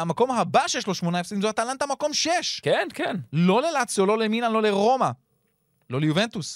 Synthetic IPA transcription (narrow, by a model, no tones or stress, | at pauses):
amako̞mɦabaʃejeʃ̬lo̞ʃmo̞naefsodimzoat̪alant̪amako̞mʃeʃkenkenlo̞le̞lat͡sjolo̞leminanlo̞le̞ʁo̞ma | lo̞lejuvent̪us